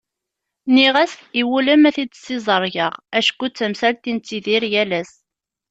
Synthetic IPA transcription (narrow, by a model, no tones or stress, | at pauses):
niʁæsiwuləmæθid̪sːizˤəɾˤʝəʁæʃkʷːut͡sːəmsælt̪int͡sːiðiɾjælæs